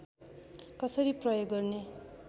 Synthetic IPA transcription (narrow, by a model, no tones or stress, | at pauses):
kʌsʌɾiprʌjoɡːʌrne